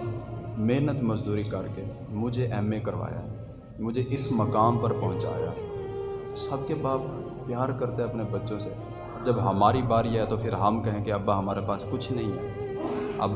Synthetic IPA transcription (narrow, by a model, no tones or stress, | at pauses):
meːnət̪məzd̪uːɾikɐɾke | mʊd͡ʒʱeʔɛːmekɐɾʋa̰ːja̰ɦɛ | mʊd͡ʒʱeʔɪsməkaːmpɐɾpɐɦʊ̃nt͡ʃa̰ːja̰ː | sɐb̚kebaːt | pjaːɾkɐɾt̪eɦɛɐpnebɐtːʃõse | d͡ʒəbɦɐmaːɾibaːɾjeɦɛt̪opʰɪɾɦɐmkɐɦẽkeɐbːaɦɐmaːɾepaːskʊt͡ʃʰnɐɦĩɦɛ̰ːɐ̰b